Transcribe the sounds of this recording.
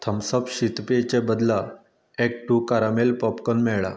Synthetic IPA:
t̪ʰəmsəpɕit̪pet͡ɕebəd̪la | ek̚ʈukaɾamelpɔpkɔnmɛɭɭa̰

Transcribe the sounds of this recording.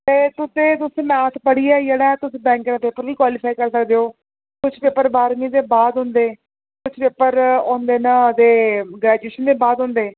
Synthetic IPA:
t̪eːt̪ʊsẽːt̪ʊsẽːmɛ̃ːt̪ʰpəɽiːɛːijəɽɛːt̪ʊsẽːbɛ̃ːŋkːd̪aːpeːpəɾʋiːkwaːlɪfʰaːikəɾsəkd̪eːoː | kʊt͡ʃʰpeːpəɾbaːɾmiːd̪eːbaːd̪ɦʊ̃nd̪eː | kʊt͡ʃʰpeːpəɾõːnd̪eːnad̪eːɡɾɛːd͡ʒueːʃənd̪eːbaːd̪ɦõːnd̪eː

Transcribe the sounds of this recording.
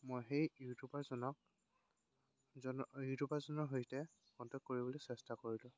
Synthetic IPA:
mojxejjutʰupazɔnɔk̚ | jutʰupazɔnɔɦojtɛ | kɔntɔkoɹibolɔsɛstakoɹilʊ̃

